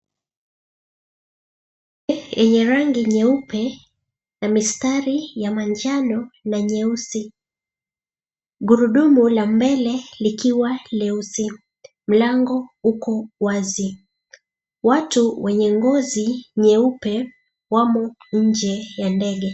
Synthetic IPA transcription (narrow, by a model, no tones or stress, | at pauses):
jɛɲɛɾaŋɡiɲɛupʰɛ | namistaɾijamand͡ʒanɔnaɲɛusi | ɠuɾuɗumulambɛlɛlikiwalɛusi | m̩laŋɡɔukɔwazi | watuwɛɲɛŋɡɔziɲɛupɛ | wamɔɲ̩d͡ʒɛjandɛɠɛ